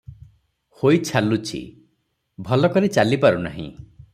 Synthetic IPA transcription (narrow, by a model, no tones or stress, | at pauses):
hojt͡ʃʰalut͡ʃʰḭ | bʱɔlɔkɔɾet͡ʃalipaɾuna̰ɦḭ̃